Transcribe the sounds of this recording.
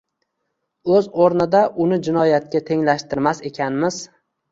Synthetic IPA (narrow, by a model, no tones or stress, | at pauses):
ɵzoɾnɪd̪aʔʊnɪd͡ʒɪnɒjat̪̚kʲat̪ʰe̞ŋlaʃt̪ɪɾmase̞kʲʰanmɪz